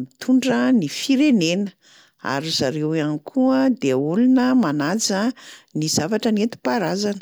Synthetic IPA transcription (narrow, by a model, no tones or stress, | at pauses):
mit̪ʰuɳɖ͡ʐənifiɾenenə | a̰ɾiz̥aɾewanikʰuəd̪eulunəmanad͡zəniz̥avaʈ͡ʂənet̪i̥paɾazanə̥